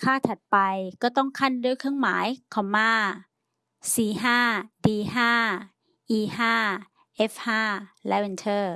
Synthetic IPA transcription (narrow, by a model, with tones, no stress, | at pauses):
kʰaː˥˩t̪ʰa˨˩t̪̚pa˧jkɔː˥˩t̪ɔ˥˩ŋkʰa˥˩ndu˥˩əjkʰɯ˥˩˨ŋma̰ː˩˦jkʰɔ˨˩˦mːaː˧˥˩ | siː˨˩ɦaː˥˩diː˧ɦaː˥˩ | ʔiː˧ɦaː˥˩ | ʔe˦˥f̚haː˥˩lɛ˦˥we˧nt̪ʰɤː˥˩